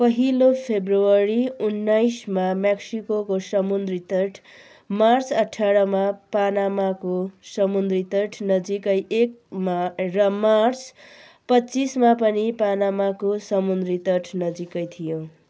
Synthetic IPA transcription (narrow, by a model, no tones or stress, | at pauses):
pʌɦilopʰebruwʌɾiunːajsmamaksikokosʌmund̪rit̪ʌʈʰ | mart͡sʌʈʰːaɽʌmapanamakosʌmund̪rit̪ʌʈʰnʌd͡zikʌjek̚marʌmart͡s | pʌt͡sismapʌnipanamakosʌmund̪rit̪ʌʈʰnʌd͡zikʌjt̪ʰijõ